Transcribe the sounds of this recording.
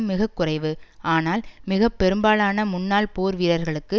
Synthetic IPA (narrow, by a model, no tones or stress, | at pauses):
mːɪɣɐkːʊrɐɪʋɯaːnaːlmɪɣɐpːɛɾɯmbaːlaːnɐmʊnːaːlpoːɾʋiːɾɐɾɣɐɭɯkːɯ